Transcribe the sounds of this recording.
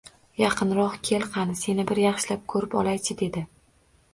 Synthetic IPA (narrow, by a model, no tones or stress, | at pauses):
jɑqʰɨnɾɒχkʲʰe̞lˠqʰɑnɪse̞nɪbɪɾjɑχʃɪlap̚kʰɵɾɪpɒlˠajt͡ʃʰɪd̪e̞d̪ɪ